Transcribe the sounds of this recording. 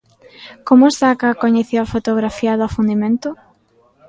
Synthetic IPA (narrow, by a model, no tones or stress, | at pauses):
komʊest̪akakoɲeθowafot̪oɣɾafiaðofund̪imẽnt̪ʊ